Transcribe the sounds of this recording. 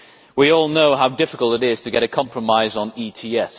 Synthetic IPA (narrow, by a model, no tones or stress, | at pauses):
wiɔːlˠnoʊɦaʊdɪfɪkəlˠtɪɾɪz̥tʰəɡɛɾəkʰɒ̃mpʰɹ̥əmaɪzn̩iːtʰiːɛs